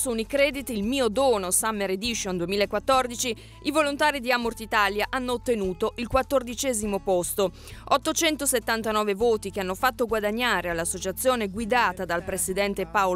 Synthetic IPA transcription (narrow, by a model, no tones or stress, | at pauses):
sunikɾɛːd̪it̪ilmiːod̪oːnosamːeɾed̪iʃond̪uwemiːlaekːwat̪ːord̪it͡ʃi | ivolont̪aːɾid̪iamort̪it̪aːljaʔanːoːt̪ːenuːt̪oʔilkwat̪ːord̪it͡ʃɛːzimopɔst̪o | ɔt̪ːot͡ʃɛnt̪oset̪ːant̪anɔːvevoːt̪ik̟eanːofat̪ːoɡwad̪aɲːaːɾealːasːot͡ʃat̪sːjoːneɡwid̪aːt̪ad̪alpɾesid̪ɛnt̪epao